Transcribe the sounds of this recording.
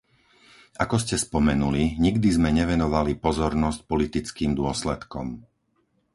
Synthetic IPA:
ʔakɔscɛspɔmɛnuliɲiɡd̪izmɛɲɛʋɛnɔʋalipɔzɔɾnɔsc̚pɔlit̪it͡skiːmd̪ʊɔslɛt̪kɔ̰m

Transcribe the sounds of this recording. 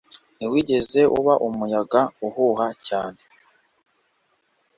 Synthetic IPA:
niwiːɟe̞ze̞ʔṵβaʔumujaɡauhuhacaːne̞

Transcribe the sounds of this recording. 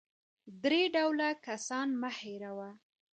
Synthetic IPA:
d̪ɾeɖawlakasɑnmaheɾawa

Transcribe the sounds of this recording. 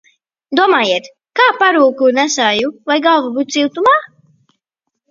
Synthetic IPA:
d̪uɔmaːjiɛt̪ | kaːpaɾuːkunæsaːjuvajɡavubut̪siwt̪umaː

